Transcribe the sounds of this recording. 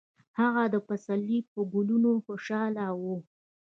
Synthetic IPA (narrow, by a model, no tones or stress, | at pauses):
haɣad̪əpasalːipəɡʊlunoxoʃɑlawu